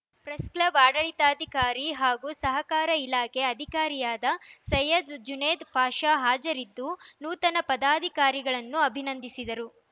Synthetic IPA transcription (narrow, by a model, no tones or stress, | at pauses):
pɾɐskɭɐʋaːɽɐɭit̪aːd̪ʱikaːɾiɦaːɡusɐɦɐkaːɾɐilaːkʰe̞ɐd̪ʱikaːɾijaːd̪ɐsɐjɐd̪d͡ʒuneːd̪bʱaːʃaːɦaːd͡ʒɐɾid̪ːunuːt̪ɐnɐpɐd̪aːd̪ʱikaːɾiɡɐɭɐnːuɐbʱinɐnd̪isid̪ɐɾu